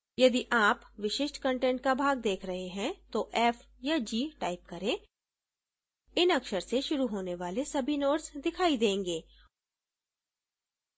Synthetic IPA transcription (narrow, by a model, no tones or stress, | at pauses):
jɐd̪iʔaːpʋɪʃɪʃʈkɐ̃ɳʈɛ̃ːɳʈ̚kabʱaːɡ̚d̪eːkʰɾɐɦeɦɛ̃t̪oʔɛːf | jad͡ʒiːʈaːɪp̚kɐɾẽː | ɪnɐkʃəɾseʃʊɾuɦoːneʋaːlesɐbʱinoːʈsd̪ɪkʰaːid̪ẽːŋɡeː